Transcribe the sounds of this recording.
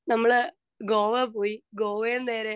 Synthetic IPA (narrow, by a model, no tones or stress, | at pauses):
nɐmːɐɭɨ | ɡoːʋepoːjiɡoːʋɐjenːeːɾe